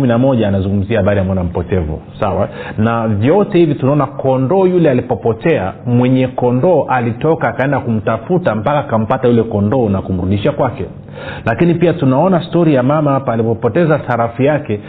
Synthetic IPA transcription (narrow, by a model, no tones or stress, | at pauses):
minamɔʄaːnazuŋɡum̩ziahaɓaɾiamɔnam̩pɔtɛvṵsawa̰navjɔtɛhivitunaɔnakɔndɔːjulɛalipɔpɔtɛamwɛɲɛkɔndɔːʔalitɔkaːkaɛndakum̩tafutam̩pakaːkam̩patajulɛkɔndɔːnakum̩ɾuɗiʃakwakɛ | lakinipiatunaɔnastɔɾijamamahapaːlipɔpɔtɛzaθaɾafijakɛ